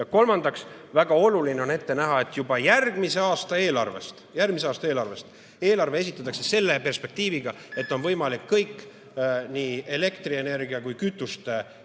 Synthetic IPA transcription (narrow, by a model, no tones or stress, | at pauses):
ɑko̞lmɑnd̪̥ɑksvæɡ̥ɑo̞lulineo̞ne̞t̪ːe̞næɦɑe̞t̪ːˑjubɑjærɡ̥mise̞ɑːst̪ɑe̞ːlɑ̰rve̞̰st̪jærɡmise̞ɑːst̪ɑeːlɑrve̞st̪ | e̞ːlɑrvees̬it̪ːˑɑt̪ːˑɑkse̞se̞lːe̞pe̞rspe̞k̚t̪iːviɡ̥ɑ | e̞t̪ːˑo̞nvɤjmɑlikːɤjkː | niːe̞le̞kt̪rie̞ne̞rɡiɑkujkyt̪ːˑust̪